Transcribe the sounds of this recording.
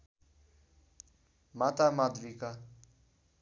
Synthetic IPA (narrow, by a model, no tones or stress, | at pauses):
mat̪amad̪ʋika